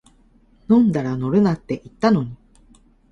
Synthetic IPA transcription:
nõ̞nd̪aɾano̞ɾɯ̟nat̪ːe̞ʔit̪ːano̞ɲ̟i

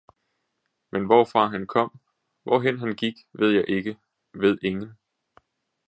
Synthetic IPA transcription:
menʋɒfʁɑ̈ɦænkʰɒ̽m̰ | ʋɒɦen̰ɦænɡ̥iɡ̥ʋe̝ð̞̰ˠjɑ̈ɪʔe̝ɡ̥ə | ʋe̝ð̞̰ˠe̝ŋn̩

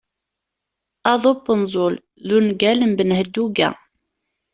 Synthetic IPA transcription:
ɑðˤobənzˤol | ðunɡæləmbənhəd̪ːuɡæ̰

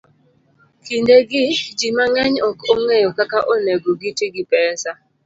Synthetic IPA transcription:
kindeɡɪd͡ʒimaŋɛɲɔkoŋejɔkakaʔoneɡoɡitɪɡɪpɛnsa

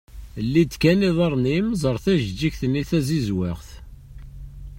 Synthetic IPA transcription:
lːid̪kæniðˤɑɾˤnimzˤəɾˤθæʒd͡ʒːiçθənːiθæzizwɪʁθ

